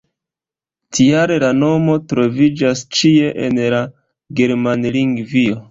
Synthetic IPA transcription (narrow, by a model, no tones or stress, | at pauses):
tiaɾelano̞mo̞tɾo̞vid͡ʒast͡ʃie̞ʔḛnla | ɡe̞ɾmanliŋɡvio̞